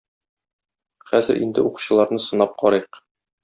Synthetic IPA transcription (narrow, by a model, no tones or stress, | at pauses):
χæzɘɾʔḭnd̪ɘuqu̥ɕɤ̆lˠɑɾnɤsɤ̆nɑp̚qɒɾɤjq